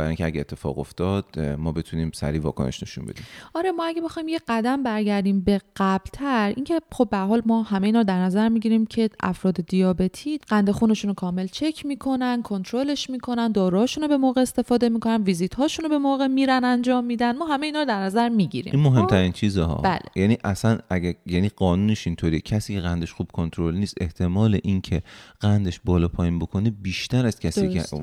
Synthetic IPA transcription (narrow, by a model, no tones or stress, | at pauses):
bæɾ̰iŋcʰeæ̰ɟeet̪ʰːe̞fɒ̰ːɣo̰ft̪ɒːd̪mɒːbet̪ʰuniːmsæ̰ɾiːvɒ̰ːkʰo̰nḛʃne̞̰ʃṵnbed̪iːmɒːɾe̞mɒːæɟebe̞xɒjimjeɢæd̪æmbæɾɟæɾd̪iːmbe̞ɢ̥æblt̪ʰæɾʔiːncʰe̞χo̞bːeæɾɦɒːlmɒːhæmejiːnɒɾd̪æɾnæzæɾmiɟiɾimcʰe̞ʔæ̰fɾɒːd̪e̞d̪ijɒːbe̞t̪ʰiːɢ̥ænd̪e̞xuːne̞ʃunokʰɒːme̞lt͡ʃʰe̞cʰmiːkʰo̞nænkʰo̞nt̪ʰɾo̞le̞ʃmiːkʰo̞nænd̪ɒːɾuhɒʃunobe̞moɣe̞ːst̪e̞fɒːd̪e̞miːkʰo̞nænviːzit̪hɒːʃunobe̞moːɣemiːɾænænd͡ʒɒːmːiːd̪ænmɒːɦæmejeiːnɒːɾod̪æɾnæzæɾmiːɟiɾḭminmoɦe̞mt̪ʰæɾint͡ʃʰiːzehɒ̰ːbæ̰ːlejæniʔæsænæɟæjæniːɢɒːnuːneʃint̪ʰoɾijecʰæsiːcʰeɣænd̪e̞ʃxub̥̚kʰont̪ʰɾolniːst̪e̞ht̪ʰe̞mɒːleʔincʰeɢ̥ænd̪eʃbɒːlɒːpʰɒːjinbokʰonebiːʃt̪ʰæɾæz̥kcʰæsḭː